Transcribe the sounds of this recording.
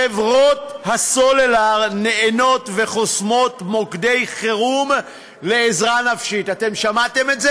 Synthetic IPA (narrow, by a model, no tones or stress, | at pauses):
evʁo̞t̪hasolelaʁne̞eno̞tve̞χo̞smo̞t̪mokd̪ejχeʁum | le̞ːzʁanafʃit̪at̪e̞mʃamat̪emetze